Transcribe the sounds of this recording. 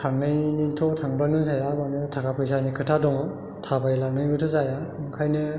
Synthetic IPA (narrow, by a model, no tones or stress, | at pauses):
tʰaŋnɯjnintʰɔtʰaŋbanɯŋsajabanɯtʰakʰapʰɯjs̬anikʰɯtʰadɔŋɯ | tʰabajlanɯjɯtʰɯzajakʰajnɯ